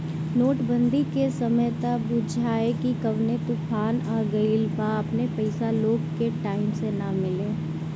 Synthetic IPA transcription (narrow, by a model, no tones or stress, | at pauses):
noːʈbə̃nd̪ʱikesɐməjt̪abʊd͡ʒʱaːekikɐʋnet̪ʊpʰaːnaɡɐiːlpaɐpnepɐɪsaloːɡkeʈaːɪmsenamɪlẽː